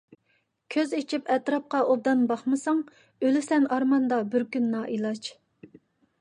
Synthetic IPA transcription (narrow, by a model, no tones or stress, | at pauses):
kʲʰøzit͡ʃʰipɛt̪ɾɑp̚qɑʔod̪ɑnbɑχmɨsɑŋ | ølɪsɛnɑɾmɑnd̪ɑbɪɾkʲynːɑːʔilˠɑt͡ʃ